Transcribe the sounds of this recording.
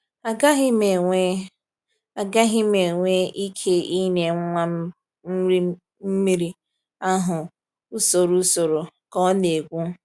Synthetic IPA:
a˨ɡa˦ɦɪ˦me˨ŋʷe˦ | a˨ɡa˦ɦɪ˦me˨ŋʷe˦ʔi˦kʰe˦i˦ne˨˦ŋʷa˦ | m̩˦ɾ | m̩˦mi˦ɾi˦ | a˦ɦʊ˨ | u˦so˨ɾu˦so˨ɾo˨kɔ˦ne˨ɡʷu˦

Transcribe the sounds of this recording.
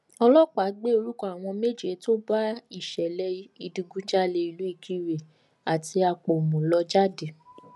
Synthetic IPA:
ɔ˧lɔ˦k͡pa˨˦ɡ͡be˦o˧ɾu˦kɔ˦a˨w̃ɔ̃˧me˦d͡ʒe˨˦to˦ba˦i˦˨ʃɛ˨lɛ˧˦i˧dĩ˧ɡũ˦d͡ʒa˦le˧i˧lu˨˦i˦˧˨kʰi˧ɾe˨ | a˨ti˧a˧k͡po˨mũ˨˦lɔ˧d͡ʒa˦de˨

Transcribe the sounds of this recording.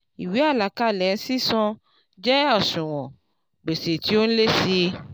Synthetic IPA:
i˨wi˨˦a˦˨la˨ka˦˨lɛ˨˦si˦sɔ̃˧ | d͡ʒɛ˦ɔ˦˨sũ˨w̃ɔ̃˨ | ɡ͡be˨se˨ti˨˦o˦n̩˦le˦si˧

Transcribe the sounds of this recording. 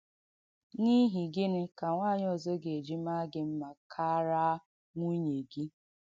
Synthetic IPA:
ni˦ɦi˨ɡɪ˦nɪ˦ka˨ŋʷaː˦˨ɲ˦ɔ˨zo˦ɡe˨e˨d͡ʒi˦ma˦ɡɪ˦m̩˦ma˨kʰa˦ɾa˦ | ŋʷu˦ɲe˨ɡi˦

